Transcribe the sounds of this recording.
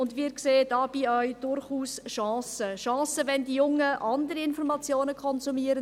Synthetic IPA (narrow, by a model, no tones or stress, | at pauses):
ʊndʋiːkseːdɑːb̥iœʏd̥ʊɾχuːsʃɑ̃ːsəʃɑ̃ːsəʋɛndijʊŋːəʔɑndəɾiɪnfɔɾmɑt͡sjoːnəkʰχɔnzumiːəɾən